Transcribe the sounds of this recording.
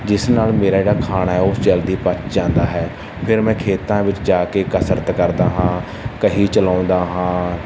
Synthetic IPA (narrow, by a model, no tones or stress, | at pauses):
d͡ʒɪsnaːlmeːɾaːɪːɽaːkʰaːɳaːɦɛːʊst͡ʃəld̪iːpət̪d͡ʒãːnd̪aːɦɛː | pʰɪɾmɛ̃ːkʰeːt̪ãːʋɪt͡ʃd͡ʒaːkeːkəsəɾət̪kəɾd̪aːɦãː | kəɦiːt͡ʃəlãːnd̪aːɦãː